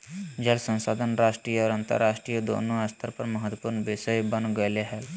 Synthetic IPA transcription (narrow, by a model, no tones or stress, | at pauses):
d͡ʒəlsə̃nsaːd̪ʱənɾaːʃʈɾiːɔːɾə̃nt̪ə̰ɾːaːʃʈɾijəd̪o̰ːnõəst̪ʰəɾpəɾməɦət̪wəpuɾnbesəjbənɡəleɦɛl